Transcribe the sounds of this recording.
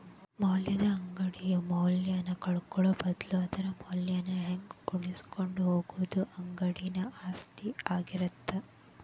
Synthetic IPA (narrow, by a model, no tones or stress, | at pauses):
mɐwljɐd̪ɐːŋɡɐɽijumɐwljɐnɐkɐɭukɔɭɐbɐd̪lod̪ɐɾɐmɐwljɐnɐɦeŋɡuɭisi̥koɳɖuɦoːɡuʋud̪uʔɐŋɡɐɽinɐaːst̪iaːɡiɾɐt̪ʰːɐ